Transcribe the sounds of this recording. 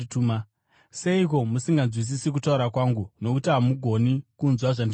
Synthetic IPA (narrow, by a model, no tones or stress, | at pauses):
tuma | se̞iko̞musiŋɡanzwis̬isik̬utauɾakwaːŋɡuno̞kutiɦamuɡʱo̞nikunzwaʐandi